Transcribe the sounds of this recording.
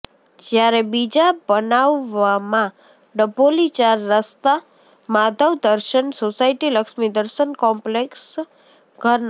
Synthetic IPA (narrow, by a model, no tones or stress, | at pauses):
d͡ʒjaɾebid͡ʒabənaʋːamã | ɖəbolit͡ʃaɾːəst̪a | mad̪ʱəʋd̪əɾʃənsosaiʈiləkʃmid̪əɾʃənkɔmpleks | ɡʱəɾn